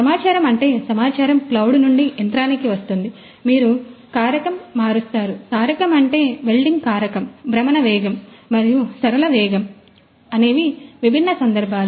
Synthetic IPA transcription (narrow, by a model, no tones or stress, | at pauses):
sɐmaːt͡ʃaːɾɐmɐɳʈe̞ːsɐmaːt͡ʃaːɾɐmklɐwɽnuɳɖiʔent̪ɾaːnikiʋɐst̪und̪i | miːɾukaːɾɐkɐmːaːɾust̪aːɾukaːɾjɐkɐmɐɳʈe̞ːbe̞lɖiŋɡkaːɾɐkɐmbɾɐmɐnɐʋɛːɡɐmːɐɾijusɐɾɐlɐʋɛːɡɐm | ɐne̞ːʋiʋibʱinːɐsɐnd̪ɐɾbʱaːlu